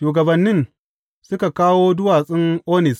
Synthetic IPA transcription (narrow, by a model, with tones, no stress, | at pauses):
ʃuː˨ɡɐ˨bɐ˨nːɪ˦n | sʊ˦ka˨kaː˦woː˦dʊ˦waː˨sʼɪ˦ŋʔoː˦nɪ˨s